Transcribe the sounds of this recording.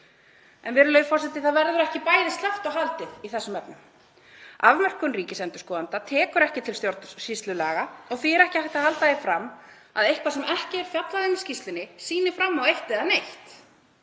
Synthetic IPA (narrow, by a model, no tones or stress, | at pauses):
ɛ̰nvɛɾʏlœɥfɔr̥sɛt̪ɪθaðvɛɾðʏɾɛhcɪpaːjðɪst̪lɛft̪awɦalt̪ɪðiθɛsːʏmɛpnʏm | avmœr̥kʏnriːcɪsɛnt̪ʏ̥skɔːðant̪at̪ʰɛːkʏɾɛhcɪt̪ʰɪlst̪joɾt̪sist̪lʏla̰ːɣaɔɣθiɛɾɛhcɪhajt̪ahalt̪ajɪfɾamː | aðejhkvasɛmʔɛhcɪɛɾ̥fjat̪laðɪnɪ̥scist̪lɪnɪsiːnɪfɾamːawejht̪ɪðanejht̪